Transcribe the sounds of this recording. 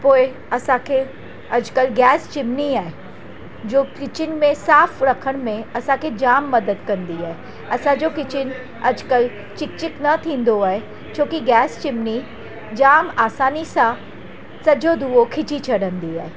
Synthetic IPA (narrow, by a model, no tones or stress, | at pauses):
poːɪ | ɐsãkʰe | ɐd͡ʒkəlɡɛːst͡ʃɪmniaːɦe | d͡ʒoːkɪt͡ʃɪnmẽsaːfɾɐkʰəɽ̃mẽɐsãkʰed͡ʒaːmːɐd̪əd̪kɐ̃nd̪iaːe | ɐsãd͡ʒoːkɪt͡ʃɪn | ɐ̰d͡ʒkəl | t͡ʃɪk̚t͡ʃɪknɐt̪ʰĩːn̆d̪oaːɦe | t͡ʃʰõːkiɡɛːst͡ʃɪmni | d͡ʒaːmaːsaːnisã | sɐd͡ʒod̪uokʰɪt͡ʃit͡ʃʰɐɽə̃nd̪iaːɦe